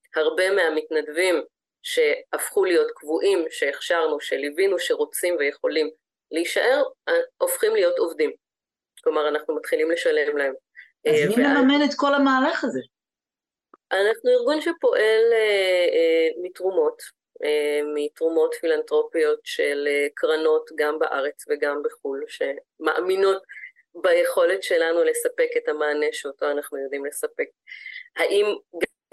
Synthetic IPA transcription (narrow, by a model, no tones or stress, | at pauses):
haʁbe̞meamitnadvim | ʃe̞afχulijo̞tkvuʔimʃe̞ːχʃaʁnuʃelivinuʃe̞ʁo̞t͡simveje̞χo̞lim | liiʃaʔe̞ʁʔo̞fχimlijo̞to̞vdim | klomaʁanaχnumat̪χilimle̞ʃalemlahe̞m | mivemeaamenet̪ko̞lamaːlaχaze | ʔanaχnuiʁɡunʃepo̞ʔe̞le | mitʁumo̞t | emitʁumo̞tfilantʁo̞pijo̞tʃelekʁano̞tɡambaʔaʁe̞t͡sveɡambeχulʃe̞ | ma̰ʔamino̞t | baje̞χo̞le̞tʃe̞lanule̞sape̞ke̞tamaːne̞ʃeotoanaχnujod̪imle̞sape̞k̚haʔimɡa